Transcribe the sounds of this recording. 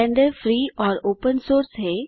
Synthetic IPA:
ɛ̃ɳɖəɾfɾiːɔːɾoːpənsoːɾsɦɛː

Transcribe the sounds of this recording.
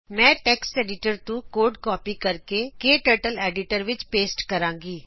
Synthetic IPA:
mɛ̃ːʈɛːkseːɖɪʈəɾt̪ũːkoːɾɖkɔːpiːkəɾkeːkeːʈəɾʈəlɛːɖɪʈəɾʋɪt͡ʃpeːsʈkəɾãːŋɡiː

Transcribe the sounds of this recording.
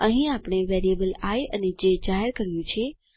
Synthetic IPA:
əɦĩapɳ̃eʋeɾijəbəlajəned͡ʒed͡ʒaɦeɾkəɾjũt͡ʃʰe

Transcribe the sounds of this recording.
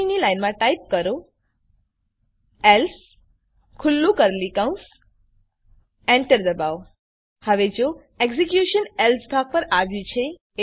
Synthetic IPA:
nilajnmãʈajp̚kəɾo | ɛls | kʰʊlːũkəɾlikawũs | ɛɳʈəɾd̪əbaw | həʋed͡ʒo | eksikjuʃənelsbʱak̚pəɾaʋjũt͡ʃʰe

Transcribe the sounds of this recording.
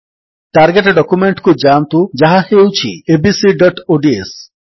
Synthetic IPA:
ʈaɾɡeʈɖɔkumeɳʈkud͡ʒamt̪ud͡ʒaɦahewt͡ʃʰḭebisiɖɔʈoɖies

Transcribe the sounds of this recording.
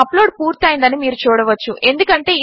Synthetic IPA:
ɐploːɖ̚puːɾt̪ɐːjnd̪ɐnimiːɾut͡ʃuːɽɐʋɐt͡ʃːuʔe̞nd̪ukɐɳʈe̞ːi

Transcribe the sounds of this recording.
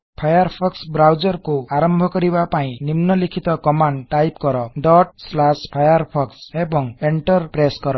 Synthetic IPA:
pʰajaɾpʰɔksbɾawd͡ʒɔɾkuaɾɔmbʱɔkɔɾibapaĩnimnɔlikʰit̪ɔkɔmaɳɖʈːajp̚kɔɾɔɖɔʈ̚slaspʰajɔɾpʰɔksebɔŋeɳʈɔɾpɾeskɔɾɔ

